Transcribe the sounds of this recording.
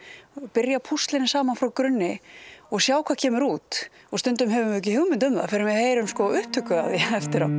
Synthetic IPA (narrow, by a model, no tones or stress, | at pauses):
pɪɾjapʰust̪lɪnɪsaːmanfɾawkɾʏnːɪɔɣsjaːwkʰvḁːcʰɛːmʏɾuːt̪ | ɔɣst̪ʏnt̪ʏmɦɛvʏmvʏɛc̬ɪhɪwmɪnt̪ʏmða̰fɪɾɪmvɪðheːjɾʏmskɔʏht̪ʰʏkʏaðɪɛft̪ɪɾa̰w